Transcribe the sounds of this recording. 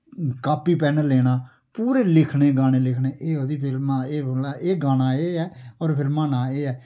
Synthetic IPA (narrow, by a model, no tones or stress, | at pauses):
kaːpiːpɛːnəleːɽ̃aː | puːɾeːlɪkʰnẽːɡaːñeːlɪkʰneːʔeːoːd̪iːpʰɪlmaːeːlaːeːɡaːñaːeːɛːɔːɾpʰɪlmãːnaːeːɛː